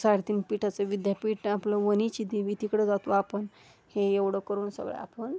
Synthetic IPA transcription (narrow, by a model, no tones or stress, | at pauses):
saɽt̪iːnpiʈʰat͡səʋid̪japiːʈnapləʋənit͡ɕid̪iʋit̪ikɽəd͡zat̪ʋəapən | heeʋɽəkəɾuːnsə̰ɡɭḛa̰pəɳ